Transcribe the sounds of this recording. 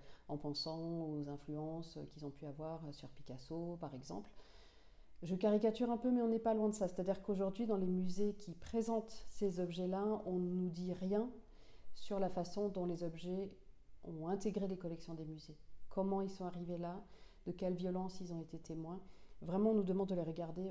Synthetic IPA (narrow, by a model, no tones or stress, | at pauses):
ɑ̃pɑ̃sɑ̃ozɛ̃flyɑ̃søkʲilzɔ̃pyavwaʁsyʁpi̥kasopaʁɛɡzɑ̰̃pl | ʒəkaʁikat̪yʁɛ̃pømɛɔ̃nɛpalwɛ̃d̪əsase̥t̪ad̪iʁkoʒuʁd̪ɥid̪ɑ̃lemyzekʲipχezɑ̃t̪sezɔbʒɛlaɔ̃nud̪iʁjɛ̃ | syʁlafasɔ̃d̪ɔ̃lezɔbʒɛ | ɔ̰̃ɛ̃t̪eɡʁelekɔlɛksjɔ̃d̪emyzekʰɔmɑ̃ilsɔ̃aʁivela | d̪̥əkʲɛlvjɔlɑ̃silzɔ̃et̪et̪emwɛ̃vʁɛmɑ̃ɔ̃nud̪əmɑ̃d̪̚d̪əleʁəɡaʁd̪e